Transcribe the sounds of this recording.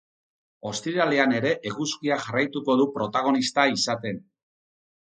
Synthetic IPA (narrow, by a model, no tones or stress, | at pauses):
o̞st̪iɾale̞ane̞ɾe̞ʔeɣuskiaʝarajt̪uko̞ðupɾo̞t̪aɣ̞o̞nist̪aisat̪e̞n